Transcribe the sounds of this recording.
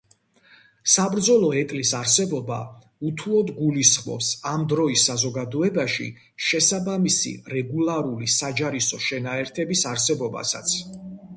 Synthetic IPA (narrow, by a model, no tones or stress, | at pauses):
sabɾd̪zɔlˠɔɛt̪ʼlisaɾsɛbɔba̰ | ut̪ʰuɔd̪ɡulisχmɔ̰psamd̪ɾɔisːazɔɡad̪ɔɛbaʃḭ | ʃɛsabamisḭɾɛɡulˠaɾulisad͡ʒaɾisɔʃɛnaɛɾt̪ʰɛbisaɾsɛbɔba̰sa̰t̪sʰ